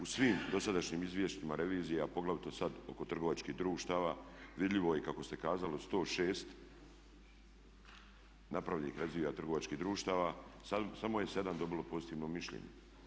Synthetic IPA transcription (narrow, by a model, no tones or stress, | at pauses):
usʋiːmd̪o̞sad̪aʃɲiːmizʋje̞ʃt̪imaɾe̞ʋiːzijeapo̞ɡlaʋit̪o̞sad̪o̞̰ko̞t̪r̩ɡo̞ʋat͡ʃkiːɦd̪ɾuːʃt̪aːʋaːʋid̪ʎʲiʋo̞jekako̞st̪e̞kaːzalist̪o̞ːʃeːst̪ | napɾaʋʲḭhɾazʋiːjat̪r̩ɡo̞ʋat͡ʃkiɦd̪ɾuːʃt̪aːʋasasamo̞je̞se̞d̪amd̪o̞bilˠo̞po̞zit̪iːʋno̞miʃʎḛɲḛ